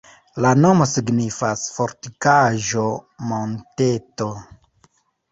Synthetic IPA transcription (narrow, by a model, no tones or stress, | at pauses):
lano̞mo̞siɡnifasfoɾtikaʒo̞monteto̞